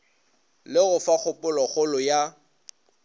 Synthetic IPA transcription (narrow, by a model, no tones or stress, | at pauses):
lɪɣʊfak͡xʰʊpʼʊlɔχʊlʊja